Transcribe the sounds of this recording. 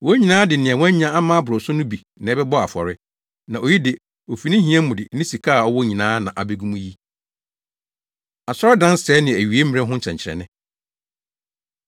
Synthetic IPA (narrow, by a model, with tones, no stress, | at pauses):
wɔ˦ɲĩ˨nãː˦dɪ˨nɪ̃˨ɛ˨wɔ̃˦ɲã˦a˦mãː˦bʊ˨ɾʊ˨sʊ˦nʊ̃˦bi˨ | nɪ̃˨ɛ˦bɛ˦bɔ˦a˨fɔ̰˨ɾɪ˦ | nã˨o˨ji˦dɪ˨ | o˨fi˨nɪ̃˦ɦĩ˦ɛ̃˦mʊ̃˨dɪ˨nɪ̃˦si˨kʰa˦a˨ɔ˦wɔ˦ɲĩ˨nãː˨˦nã˨ʔa˨be˦ɡũ˦mũ˦ji˦ | a˨sɔ˦ɾɪ˦dã˦n˦sɛ˨˦nɪ̃˨æ˨ɥi˨e˦m˦˨ɛ̃˦ɦʊ̃˦ɲ̩˦t͡ɕʰɛ̃˨ɲt͡ɕʰɪ˨ɾɛ̰˨nɪ̃˦